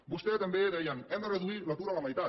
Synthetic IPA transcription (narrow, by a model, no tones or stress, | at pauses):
bust̪ɛt̪ambeðɛjanɛmareðuiɾlat̪uɾalamajt̪a